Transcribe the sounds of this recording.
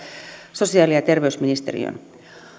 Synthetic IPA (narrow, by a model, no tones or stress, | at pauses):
so̞siɑːliɑt̪e̞rʋeysminist̪erḭø̰n